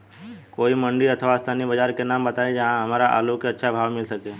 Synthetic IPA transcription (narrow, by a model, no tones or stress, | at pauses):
koːimə̃ɳɖiət̪ʰʋast̪ʰaːnibəd͡ʒaːɾkenaːmbət̪aːed͡ʒɐɦãɦɐmaːɾaʔa̰lokeətːʃʰabʱaːʋmɪlsəkeː